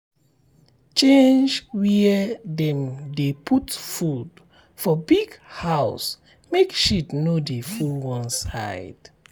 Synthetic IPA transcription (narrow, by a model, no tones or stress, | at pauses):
t͡ʃẽnd͡ʒwɛdɛ̃mdepʰutfud | fɔbiɡhaʊs | mekʃitnodefulwɔ̃nsa̰ɪd̥